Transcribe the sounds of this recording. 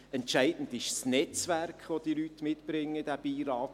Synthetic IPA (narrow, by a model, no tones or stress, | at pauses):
ɛntʃæɪdn̩dɪʃsnɛt͡sʋærkχʋod̥̪ilytmɪtb̥ɾɪŋːəd̥æb̥iːɾɑːt